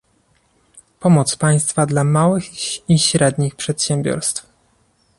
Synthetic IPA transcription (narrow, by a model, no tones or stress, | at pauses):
pɔmɔt̪spaj̃st̪fad̪lamawɘxiɕɾɛd̪ɲixpʂɛt̪ɕɛmbʲjɔ̰ɾst̪f